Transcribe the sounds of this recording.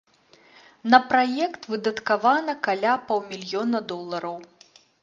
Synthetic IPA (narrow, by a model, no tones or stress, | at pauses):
nɐpɾajɛkt̪vɨd̪ɐt̪kavanɐkalʲapɔwmʲilʲjɔnɐd̪ɔlˠːɐɾɐw